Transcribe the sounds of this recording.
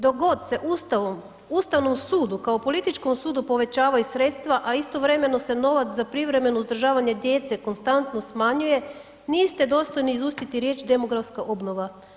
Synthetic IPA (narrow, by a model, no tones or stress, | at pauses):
d̪o̞ɡo̞d̪se̞ʔust̪aʋom | ust̪aʋno̞msuːd̪ukaopo̞lit̪it͡ʃko̞msuːd̪upo̞ʋe̞t͡ɕaːʋajusɾe̞t̪st̪ʋaʔaist̪o̞ʋɾe̞me̞no̞se̞no̞ʋat̪zapɾiʋɾe̞me̞nouzd̪ɾr̩ʒaːʋaɲe̞d̪je̞ːt̪se̞ko̞nst̪ant̪no̞smaɲuje̞ | niːst̪e̞d̪o̞ːst̪o̞jniːzust̪it̪iɾje̞ːt͡ʃd̪e̞mo̞ɡɾafskaʔo̞bno̞ʋa